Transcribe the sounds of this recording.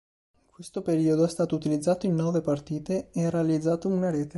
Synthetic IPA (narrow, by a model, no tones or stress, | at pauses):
kwest̪opeɾiːod̪oɛst̪aːt̪out̪ilid̪zːaːt̪oinːɔːvepart̪iːt̪eeɛrːealid̪zːaːt̪ounaɾeːt̪e